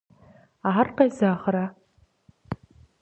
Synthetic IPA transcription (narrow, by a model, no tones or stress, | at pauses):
aːrqejzaːχɾa